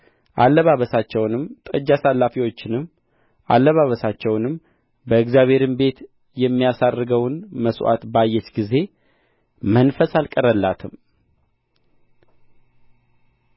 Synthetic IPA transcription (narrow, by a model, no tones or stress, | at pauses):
ʔalːəβaβəsat͡ʃːɛwnɨmt̪ʼəd͡ʒːasalːafiwo̞t͡ʃːɪnɨm | ʔa̰lːəβaβəsat͡ʃːɛwnɨm | bəɨɡzjaβʱe̞ɾɨmbe̞t̪ | jɛmːijasarːɨɡəwnməswʔa̰t̪bajːɛt͡ʃɡize̞ | mənfəsalkʼəɾəlːat̪ʰɨm